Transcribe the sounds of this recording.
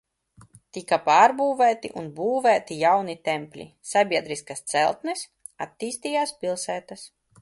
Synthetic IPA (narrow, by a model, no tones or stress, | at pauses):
t̪ikapaːɾbuːvæːt̪ḭʔunbuːvæːt̪ijawnit̪ɛmpʲlʲḭ | sabʲiɛd̪ɾiskast̪sɛ̰lˠt̪nɛs | a̰t̪ːiːst̪ijaːspʲilˠsæːt̪as